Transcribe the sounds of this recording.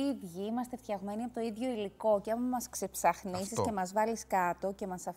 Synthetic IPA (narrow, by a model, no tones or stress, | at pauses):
iðʝiimɐst̪e̞θt̪çɐɣme̞niɐpot̪oiðʝo̞iliko̞ceɐmmɐsksepsɐxnisise̞mɐzvɐliskɐt̪o̞ce̞mɐsɐf